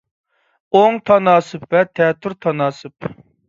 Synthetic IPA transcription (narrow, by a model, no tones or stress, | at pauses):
oŋt̪ʰɑnɑːsɨpvɛt̪ʰɛt̪ʰːʊɾt̪ʰɑnɑːsɨp